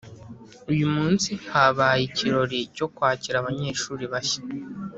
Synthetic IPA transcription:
ujumuːnsihaβaːjiciɾo̞ɾico̞kwaːciɾaβaɲeːʃuːɾiβaçḁ

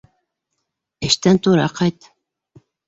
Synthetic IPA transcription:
eʃt̪ænt̪uɾɑqʰɑjt̪

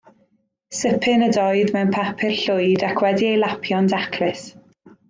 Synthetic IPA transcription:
səpʰɪnədɔjðmɛwnpʰapʰɪrɬʊjdakʰwɛdiejlˠapʰjɔndakʰlɪs

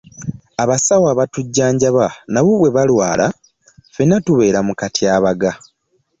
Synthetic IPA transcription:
aβasawaːβatuɟːaːɲɟaβanaβoβwe̞βalwaːla | fenatuβe̞ːɾamukatiaːβaɡa

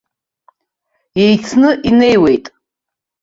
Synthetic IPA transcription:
ejt͡sʰnɨʔinejwe̞jtʼ

